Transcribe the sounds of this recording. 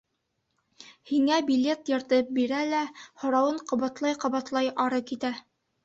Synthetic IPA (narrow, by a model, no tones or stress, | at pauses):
hiŋæbʲilʲe̞t̪jɤ̆ɾt̪ɤp̚biɾælæhŏɾɑwɤɴqŏβɑt̪lˠɑjqŏβɑt̪lˠɑjʔɑɾɤkit̪æ